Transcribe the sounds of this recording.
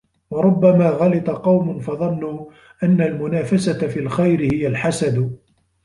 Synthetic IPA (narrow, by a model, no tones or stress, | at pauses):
wɑɾˤʊbːamaːɣɑlɑt̪ˤɑqɑwmʊnfɑðˤɑnːuː | ʔanːalmʊnaːfasat̪afiːlxajɾɪhɪjalħasad̪